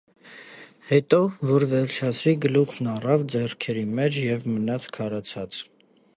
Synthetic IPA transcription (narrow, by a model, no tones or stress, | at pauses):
hɛt̪ɔvɔɾvɛɾt͡ʃʰɑsʰɾiɡəluχnɑrɑvd͡zɛrkʰɛɾimɛt͡ʃʰjɛvmənɑt͡sʰkʰɑɾɑt͡sʰɑt͡s